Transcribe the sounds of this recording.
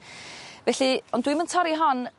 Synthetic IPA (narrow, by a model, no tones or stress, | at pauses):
vɛɬiɔndwiməntʰɔɾiɦɔn